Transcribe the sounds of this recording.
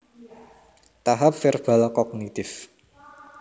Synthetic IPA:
t̪aɦap̚fɪrb̥a̤lkɔɡ̚nit̪ɪf

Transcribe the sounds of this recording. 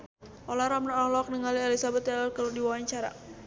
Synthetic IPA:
ʔɔlaɾamnaɔlɔk̚nəŋalieɛlisabat̪alalkaludiwawaɲt͡ʃaɾa̰

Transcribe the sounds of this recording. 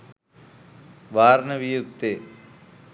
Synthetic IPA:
ʋaːɾnɐʋijuk̚t̪e

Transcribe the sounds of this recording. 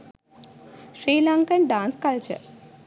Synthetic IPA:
ʃɾiːlãŋkəɳɖãːnskɐlt͡ʃə̰ɾ

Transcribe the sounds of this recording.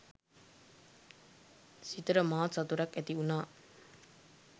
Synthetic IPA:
sit̪əɾəmaːt̪sɐt̪uɾɐkæt̪iunaː

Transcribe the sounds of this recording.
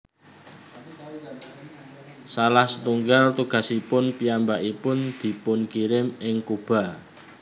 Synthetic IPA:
salahsət̪uŋɡalt̪uɡ̥a̤sipʊnpiambaʔipʊnd̪̥i̤pʊnkiɾɪmɪŋkub̥ä̤

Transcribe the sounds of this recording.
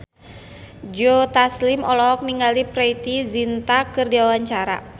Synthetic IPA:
d͡ʒot̪aslimɔlɔk̚niŋɡalipɾɛit̪izint̪akɨrdiawaɲt͡ʃaɾa̰

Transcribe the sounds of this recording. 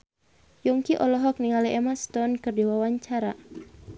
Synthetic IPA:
juŋkiʔɔlɔɦɔk̚niŋaliʔɛmast̪ɔnkɨrdiwawaɲt͡ʃaɾa

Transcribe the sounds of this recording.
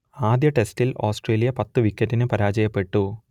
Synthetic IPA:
aːd̪jɐʈe̞stiloːsʈreːlijɐpɐt̪ːuʋikːɐtːinɨpɐɾaːd͡ʑɐjɐpːe̞ʈːu

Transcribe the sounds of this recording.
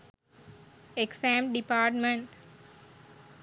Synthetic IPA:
eksæ̃ːmɖipaːɾʈmẽɳʈ

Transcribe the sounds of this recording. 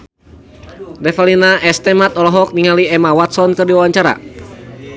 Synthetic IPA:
dɛfalinaʔɛst̪ɛmat̪ɔlɔɦɔk̚niŋaliɛmawat̪sɔnkɨrdiwawaɲt͡ʃaɾa̰

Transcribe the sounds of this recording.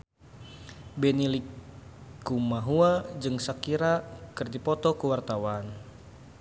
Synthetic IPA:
bɛnilikː | umaɦuad͡ʒɨŋsakiɾakɨrdipɔt̪ɔkəwart̪awan

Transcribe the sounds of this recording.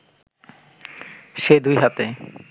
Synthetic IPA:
ʃed̪ujɦat̪e

